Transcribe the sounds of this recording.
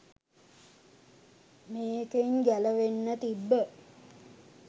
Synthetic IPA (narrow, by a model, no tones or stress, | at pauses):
meːkəiŋɡæləʋenːət̪ibːə